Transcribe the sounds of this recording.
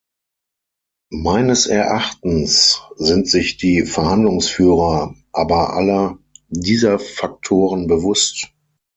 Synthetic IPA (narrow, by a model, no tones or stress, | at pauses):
maɪnəsʔɛɐʔaχtn̩sz̥ɪntz̥ɪçd̥iːfɛɐhandlʊŋsfyːʁɐʔaːbɐʔa̰lɐdiːzɐfak̚tʰoːʁənbəvʊst